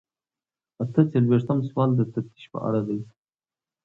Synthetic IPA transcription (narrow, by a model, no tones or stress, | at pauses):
at̪ət͡selweʂt̪amswɑld̪ət̪ap̚t̪ʰi̥ʃpə̰ʔa̰ɽad̪aj